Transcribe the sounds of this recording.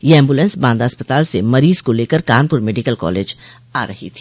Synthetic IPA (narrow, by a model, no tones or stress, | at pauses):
jeɛ̃ːmbulẽːnsbãːnd̪aɐspət̪aːlsemɐɾiːzkoleːkəɾkaːnpʊɾmeːɖikəlkɔ̰ːleːd͡ʒ | aːɾɐɦḭt̪ʰi̥ː